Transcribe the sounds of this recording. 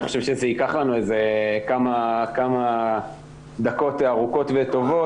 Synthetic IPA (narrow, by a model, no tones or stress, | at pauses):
niχoʃevʃezeikaχlanuezekamakama | d̪ako̞t̪aʁuko̞t̪vet̪o̞vo